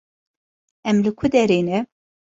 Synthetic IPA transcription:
ɛmlɨkʰʊd̪ɛɾeːnɛ

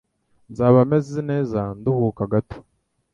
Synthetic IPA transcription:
nzaːβamezineːzanduhuːkaɡato̥

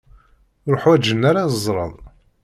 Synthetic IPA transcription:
ɾoħwæd͡ʒənːaɾaəzˤɾˤə̰ðˤ

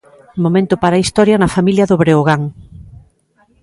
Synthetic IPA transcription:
momẽnt̪ʊpaɾaist̪ɔɾjɐnɐfamiljɐðʊβɾeoɣaŋ

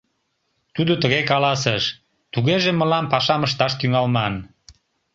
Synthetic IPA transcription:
t̪ud̪ot̪əɣekɑlɑs̬eʃ | t̪uɣeʒeməlɑmpɑʃɑməʃt̪ɑʃt̪yŋɑlmɑn

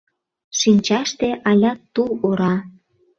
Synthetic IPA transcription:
ʃinʲt͡ɕɑʃt̪eʔɑlʲɑt̪ːuloɾɑ

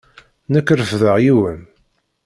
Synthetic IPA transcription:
nəkːɾəfðəʁjiwən

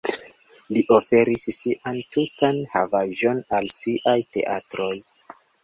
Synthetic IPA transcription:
liʔo̞fe̞ɾissiʔantutanhavaʒo̞nalsiʔajte̞̰ʔatɾo̞j

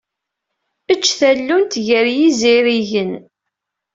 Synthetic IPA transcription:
ət͡ʃːθælːunt̪ʝəɾjiziɾiʝən

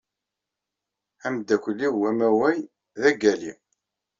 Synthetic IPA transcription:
æmd̪ːækʷəlːiwæmæwæj | ðæɡælḭ

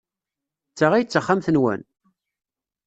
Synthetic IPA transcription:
t͡sːaʁæjət͡sːəχːamθənwæ̰n

